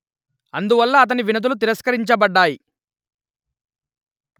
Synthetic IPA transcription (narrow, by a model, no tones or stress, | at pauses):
ɐnd̪uʋɐlːɐːt̪̬ɐniʋinɐt̪̬ulut̪̬iɾɐskɐɾiɲt͡ʃɐbɐɖːaːji